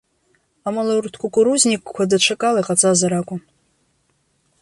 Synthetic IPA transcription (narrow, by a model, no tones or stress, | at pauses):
amalawrtʰkʷʰʼʊkʷʼʊɾuznʲikʼkʷʰadaʈ͡ʂʷʰakʼalajqʼat͡sʼazaɾakʷʼʊ